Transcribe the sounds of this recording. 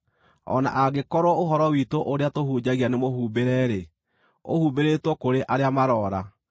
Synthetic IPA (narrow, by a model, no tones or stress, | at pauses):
ɔ̰na̰ʔaɡekɔɾɔoɦɔɾɔwitoʔoɾeatohud͡ʑaɣianemohuːbeɾɛɾe | o̰hubeɾetwɔkoɾeʔaɾeamaɾɔːɾa